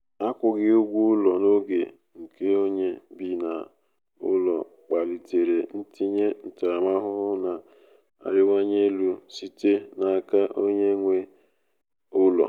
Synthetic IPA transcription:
a˦kʷʊ˨ɡɪ˦ʊ˦ɡʷu˦ʊ˦lɔ˨no˦ɡḛ˨ | ŋ̩˨ke˦o˦ɲe˦bi˨na˨ | ʊ̰˦lɔ˨ | k͡pa˨li˨te˨ɾe˨n̩˦ti˦ɲe˦n̩˨ta˨a˨ma˦ɦʊ˦ʊ˦na˨ | a̰˨ɾʊ˦wa˦ɲe˦lu˦si˦te˦na˨ka˦ʔo˦ɲe˦ŋʷe˦ | ʊ˦lɔ̰˨

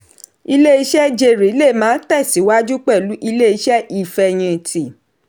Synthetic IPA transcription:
i˧le˦i˧ʃɛ˦d͡ʒe˧˨ɾi˨˦le˦˨mãː˦tɛ˦˨si˨˦wa˦d͡ʒu˦k͡pɛ˦˨lu˨˦ʔi˧le˦i˧ʃɛ˦ʔi˦˨fɛ˧j̃ĩ˧˨ti˨

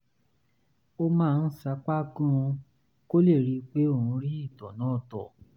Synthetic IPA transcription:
o˧mãː˦˧n̩˦sa˧˦k͡pa˦ɡɔ̃˦˧ | ko˦le˦˨ɾi˧k͡pe˦o˦˨ɾũ˧ɾi˦i˦˨tɔ˨nã˨˦˨tɔ˨

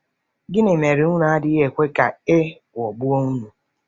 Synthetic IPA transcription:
ɡɪ˦ne˨me˨ɾɪ˨ʊ˦na˨a˦dɪ˦ɦe˨kʷe˦ka̰˨e˦˨ | ɔ˨bʊ˦o˦ŋu˦nu˨

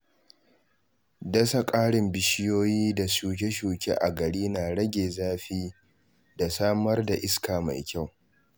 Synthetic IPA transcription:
dɐ˦sa˦kʼaː˦ɽɪ˨mbɪ˨ʃɪ˦joː˦jiː˦da˨suː˨k̬ʲe˦ʃuː˨kʲḛ˦ʔa˨ɡɐ˨ɽiː˦naː˨ɽɐ˦ɡʲeː˨zaː˦ɸiː˦ | da˨saː˦mɐ˦rda˨ʔɪ˦skaː˨ma̰˨jkʲa˦˨w

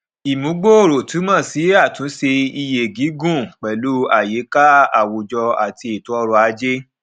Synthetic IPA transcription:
i˨mũ˨˦ɡ͡bo˦o˦˨ɾo˨tu˨˦mã˦˨si˨˦a˦˨tũ˨˦se˧i˧je˨ɡi˨˦ɡũ˦˨k͡pɛ˨lu˦a˦˨je˨˦ka˦a˦˨wo˨d͡ʒɔ˧a˨ti˧e˨tu˨˦ɔ˧ɾɔ˧a˧˦d͡ʒe˦

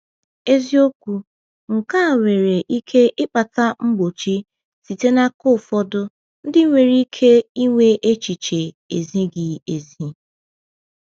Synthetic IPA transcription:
e˦zi˦o˦kʷu˨ | ŋ̩˨ka˦˨ŋʷe˨ɾe˨ʔi˦kʰe˦ʔɪ˦k͡pa˨ta˦ŋ͡m̩˦ɡ͡bo˨t͡ʃi˦ | si˨te˦na˦kʊ˦˨fɔ˦dʊ˦ | n̩˦dɪ˦ŋʷe˨ɾi˦kʰe˦i˦ŋʷe˦ʔe˦t͡ʃi˨t͡ʃe˨ | e˨zi˦ɡɪ˨e˨zi˦

